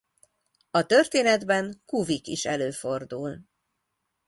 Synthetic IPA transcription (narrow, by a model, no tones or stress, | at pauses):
ɒt̪ørt̪eːnɛd̪bɛŋkuvikiʃɛløːfo̞rd̪uːl